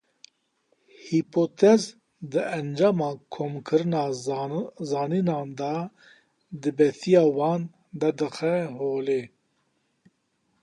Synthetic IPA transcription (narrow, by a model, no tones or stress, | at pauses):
hipʰot̪ʰɛz | d̪ɨʔɛnd͡ʒɑːmɑːkʰomkʰɨɾɨnɑː | zɑːniːnɑːnd̪ɑ | d̪ɨbɛt̪ijɑːwɑːn | d̪ɐd̪ɨxɛɦoːleː